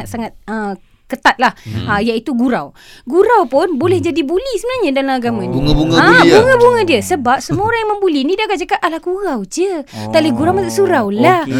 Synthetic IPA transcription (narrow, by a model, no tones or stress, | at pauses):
at̪̚saŋat̪̚ə | kət̪at̪̚lahəjait̪uɡuɾa̰w | ɡuɾawpʊnbolɛhd͡ʒadibulisəbənahɲadalamaɡamãniŋuŋabuŋəbuŋədiəsəbap̚səmuoɾaŋjaŋməmbulinidaɡaʔd͡ʒakat̚ʔalakuɣawd͡ʒət̪aʔləɡuɾawmasaʔsuɾawlah